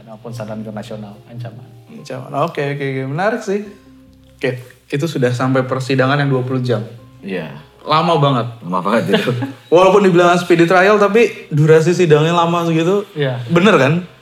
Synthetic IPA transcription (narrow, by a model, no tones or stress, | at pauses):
napʊnsadannt̪ərnasionalaɲt͡ʃamanaɲt͡ʃama̰nokeokeokebənaɾɪksɪh | okeit̪̬usudahsampajpərsidaŋanjaŋduapulud͡ʒam | ija̰ | lamabaŋət̪̚məna̰fakat̪̚ɡit̪uwalapʊndibilaŋansə̥pidit̪ɾajalt̪ap̬iduɾas̬is̬idaŋɲalamaɡit̪ujabənərkan